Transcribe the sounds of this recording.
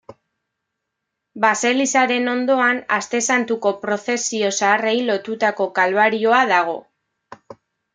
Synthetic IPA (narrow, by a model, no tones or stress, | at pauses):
base̞lisaɾe̞no̞nd̪o̞ana̰st̪e̞sant̪uko̞pɾo̞θe̞sio̞saːre̞jlo̞t̪ut̪ako̞kalβaɾio̞aðaɣ̞o̞̰